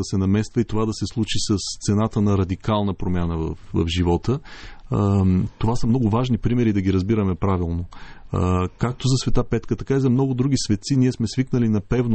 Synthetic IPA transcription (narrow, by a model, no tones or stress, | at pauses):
ɐsɛnɐmɛst̪vəit̪ovad̪ɐsɛslˠut͡ʃisəst̪sɛnat̪ənɐɾɐd̪ikalˠnəpɾomʲjanəvə̰fvɐ̰fʒivɔt̪ə | t̪ovasəmnɔɡʊvaʒnipɾimɛɾid̪ɐɡʲiɾɐzbiɾəmɛpɾavilˠno | kak̚t̪ozɐsvɛt̪apɛt̪kət̪ɐkaizɐmnɔɡʊd̪ɾuɡ̟isvɛt̪siniɛsmɛsviknəlinɐpɛvn